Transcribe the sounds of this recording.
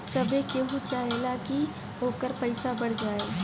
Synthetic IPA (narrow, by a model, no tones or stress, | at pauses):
sɐbekeɦũt͡ʃaːɦelaki | ɦoːkəɾpɐɪsabɐɽ̤d͡ʒaːeː